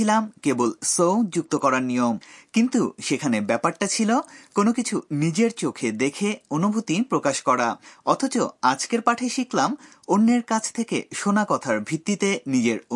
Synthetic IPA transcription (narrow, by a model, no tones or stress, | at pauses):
ilamkebolsowd͡ʑuk̚t̪okɔɾaɾnijomkint̪uʃekʰanebɛpaɾʈat͡ɕʰilokonokit͡ɕʰunid͡ʑeɾt͡ɕokʰed̪ekʰeonubʱut̪ipɾokaʃkɔɾaɔt̪ʰot͡ɕoad͡ʑkeɾpaʈʰeʃiklam | onːeɾkat͡ɕʰt̪ʰekḛʃonakɔt̪ʰaɾbʱit̪ːit̪enid͡ʑeɾ